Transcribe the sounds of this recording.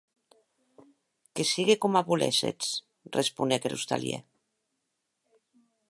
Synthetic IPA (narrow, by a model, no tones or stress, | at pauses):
kesiɣekomaβulḛsḛt͡s | respunekɾṵst̪a̰ljḛ